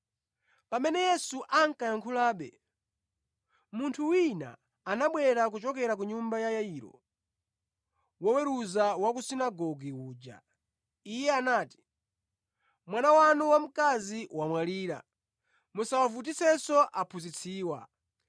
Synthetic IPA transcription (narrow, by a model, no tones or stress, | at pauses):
pamɛnɛjɛsuʔaŋ̩kajaŋkʰulaːɓɛ̰ | muntʰuwina̰ː | naɓwɛɾak̬ut͡ʃɔkɛɾak̬uɲumbajajaiːɾɔ̰ | wɔwɛɾuzawakusinaɡɔɡiwuːd͡ʒa̰ | ijɛanaːti̥ | mwanawanuwam̩kaziwamwaliːɾa̰ | musawafut̬isɛsɔʔapʰuzit͡sʰiːwa̰